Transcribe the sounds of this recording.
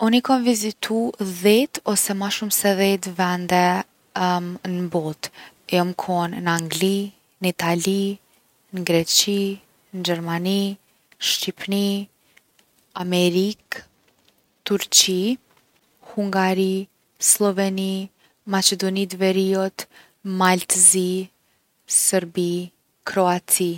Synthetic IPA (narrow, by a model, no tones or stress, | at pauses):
ɔnikɔnvizit̪ʰuðɛt̪ɔsɛmaʃumsɛðɛt̪vɛnd̪ɛ | nəbɔt̪ | jɔmkʰɔnnaŋɡli | nit̪ali | nɡɾɛt͡ʃi | nd͡ʒɛɾmani | ʃtipni | amɛɾik | t̪uɾt͡ʃi | huŋɡaɾi | slˠɔvɛni | mat͡ʃɛd̪ɔnid̪vɛɾiɔt̪ | malt̪zi | səɾbi | kɾɔat͡si